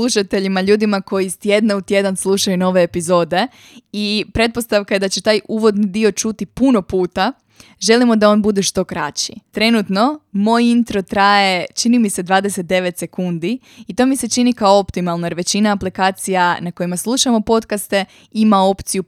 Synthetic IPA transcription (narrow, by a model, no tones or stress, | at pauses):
slˠuʃat̪e̞ʎimaʎuːd̪imako̞jiːst̪je̞d̪naut̪ʲje̞d̪anslˠuʃajuno̞ʋe̞ːpizo̞ːd̪e̞ | ipɾe̞t̪̚po̞st̪aʋkajed̪at͡ɕet̪aːjʔuʋo̞d̪nid̪io̞t͡ʃut̪ipuno̞puːt̪a | ʒe̞limo̞d̪ao̞nbud̪e̞ʃt̪o̞kɾa̰t͡ɕḭt̪ɾe̞nut̪no̞mo̞ːjint̪ɾo̞t̪ɾaje̞t͡ʃinimise̞d̪ʋaːd̪e̞set̪̚d̪e̞ʋe̞t̪se̞kund̪i | it̪o̞ːmise̞t͡ʃinikaoopt̪imalˠnojeɾʋe̞t͡ɕinaːplikaːt̪sijanako̞jimaslˠuʃamo̞po̞t̪kast̪e̞ | imao̞pt̪siju